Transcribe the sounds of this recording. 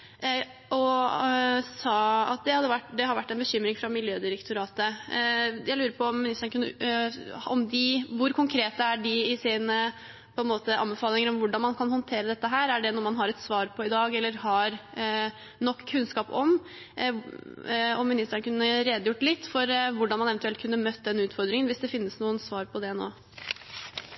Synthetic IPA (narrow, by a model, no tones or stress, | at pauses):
ʔɔ | sɑːɑ̰t̪̚d̪ɛhɑd̪ːəʋæʈːd̪ɛhɑɾʋæʈːɛɪnbəɕʏmːɾɪŋfɾɑmɪljøːd̪ɪɾɛkt̪ʰʊɾɑːt̪ə | jæɪlʉːɾəɾpʰɔɔmːɪnɪst̪əɳnəkʉnːə | ɔmd̪ɪʋʊɾkʰʊŋkʰɾeːt̪əæɖɪɪsɪnə | pʰɔɛnmoːt̪əʔɑ̰mbɛfɑːlɪŋəɾɔmʋʊɖɑnmɑnkʰɑnhɔnt̪ʰeːɾəd̪ɛt̪ːəɦæːɾæɖɛnɔɾmɑnɦɑɾɛt̪sʋɑːɾpʰɔɪd̪ɑːɡɛlːəɾɦɑɾ | nɔkːkʰːʉnskɑːpɔm | ɔmːɪnɪst̪əɳəkʉnːəɾeːd̪əjʊʈːlɪt̪ːfɔɾʋʊɖɑnmɑnɛʋənt̪ʉɛlt̪kʰʉnːəmœt̪ːəd̪ɛnːʉːt̪fɔɾd̪ɾɪŋənʋɪsd̪ɛfɪnːəsnuːənsʋɑːɾpʰɔd̪ɛno̰ː